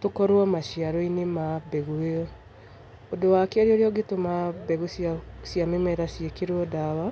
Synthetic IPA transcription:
tokɔɾwɔmaɕiaɾɔinemabɛɣueɔ | odowakeaɾeoɾeɔɡetomabɛɣosasjamemaeɾasiekeɾwɔdawa

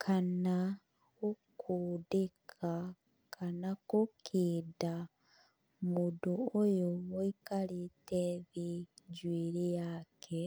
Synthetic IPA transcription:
kʰana | ukʰudekʰa | kʰanakukʰida | muduojooikaliteβiɟwiːɾijaːkʰe

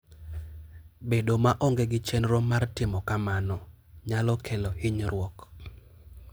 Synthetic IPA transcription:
bedomaʔɔŋɡeɡɪt͡ʃɛnɾomːartɪmɔkamanɔ | ɲalɔkʰelɔhiɲɾwɔk

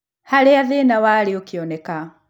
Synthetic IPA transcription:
halɛaðinawaliukiɔnɛka

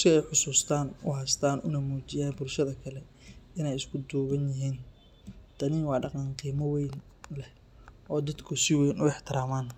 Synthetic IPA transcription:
skʰɐɛjħʊsuːst̪ʰaːnʊ̰ɦɐst̪ʰaːnʔʊ̰nɐmuːt͡ʃɪjaːnbʊlʃɐðɐkʰɐlɛ | ɪnɛjɪskʰʊd̪ɔːβɐnjɪɦiːn | d̪̥ɐniːŋwɑːɖɑqɑnqiːmɐwɛjn | lɛh | ʔɔːd̪ɐd̪kʰʊsɪwɛjnʊɪħt̪ʰɪɾaːmaːn

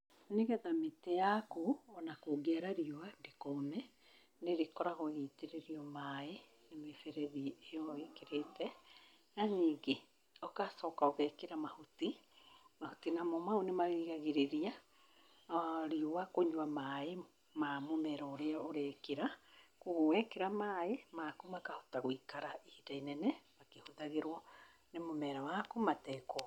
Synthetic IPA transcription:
neɣɛðametejakoːnakoɡeaɾaɾiowandekomɛ | neɾekɔɾaɣoɣiteɾeɾiɔmae | nemefɛɾɛðiejɔekeɾetɛ | aniːɡe | ɔkasɔkaoɣɛkeɾamahuti | mahotinamɔmaonemaɣiɣaɣeɾeɾia | ɾiowakoɲuamae | mamomɛɾɔoɾeaoɾɛkeɾakoɣowɛkeɾamaːemakomakaho̥taɣwikaɾaihidainɛnɛmakehoðaɣeɾwɔ | nemomɛɾawakomatɛko

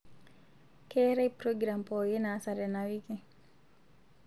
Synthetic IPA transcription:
kɛɾɛjpɾoɡɾampɔjinaːsaɾɛnawiki

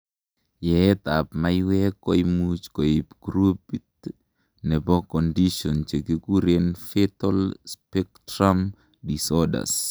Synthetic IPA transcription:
jɛɛt̪apmaiwɛkːɔimut͡ʃkɔipɡ̥ɾupit | nɛbɔkɔndiʃɔnt͡ʃekekuɾenfetɔlspɛk̚tɾam | disɔda̰s

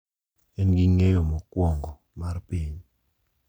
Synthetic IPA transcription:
ɛnɡiŋejɔmɔkwɔŋɡɔ | marpiɲ

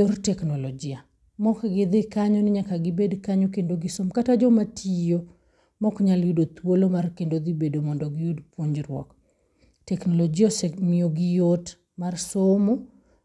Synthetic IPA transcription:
ortɛknɔlɔd͡ʒɪa | mɔkɡɪd̪ɪkaɲɔnɪɲakaɡɪbedkaɲokendoɡisomkatad͡ʒɔmatʰijo | mɔkɲaljudot̪wolomarkendod̪ibedomɔndɔɡɪjodpwoɲd͡ʒɾwɔ̰k | tɛknɔlɔd͡ʒiɔsɛmioɡɪjot | marsomo

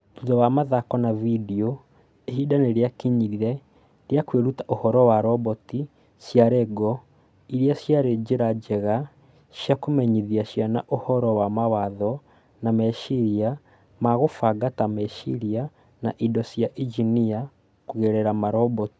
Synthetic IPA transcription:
tuðɔwamaðakɔnavidio | eɦidaneɾjakiɲiɾiɾɛ | ɾjakweɾutaʔohɔɾɔwaɾɔbɔti | sjaɾɛɡɔ | iɾjasjaɾed͡ʒeɾad͡ʒɛɣa | ʃjakomɛɲiðiaʃjanaʔohɔɾɔwamawaðɔ | namɛʃiɾia | maɣofaɡatamɛʃḭɾia | naʔidɔsijaʔid͡ʒinia | kuɣeɾɛɾamaɾɔbɔti̥

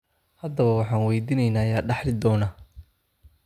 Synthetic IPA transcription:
hɐd̪ɐβɐwɑħɑːnwɛjd̪iːnɛjnaːjaːɖɑħlɪd̪ɔːnaː

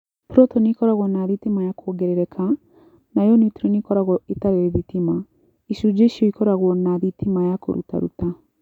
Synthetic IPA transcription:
pɾɔtɔnikɔɾaɣɔnaðitimajakʰɔɡɛɾɛɾɛkʰa | najɔnituɾinikɔɾaɣɔetaɾɛɛðitima | isud͡ʒeʃiɔikɔɾaɣwɔnaðitʰimajako̰ɾṵta̰ɾṵta

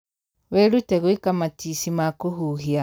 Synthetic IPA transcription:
weluteɣwikamatisimakuhuhia

